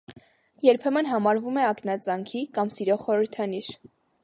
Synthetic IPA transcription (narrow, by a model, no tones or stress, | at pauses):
jɛɾpʰɛmənɦɑmɑɾvumɛɑknɑt͡sɑŋkʰikɑmsiɾɔʁχɔɾəɾt̪ʰɑniʃ